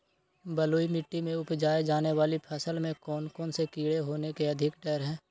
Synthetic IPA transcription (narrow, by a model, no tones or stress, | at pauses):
bəloːimɪʈːimẽʊpd͡ʒaːed͡ʒaːneʋaːlipʰəsəlmẽkɔːnkɔːnsekiːɽeɦoːnekeɐd̪ʱɪkɖɛːɾɦɛ̃ː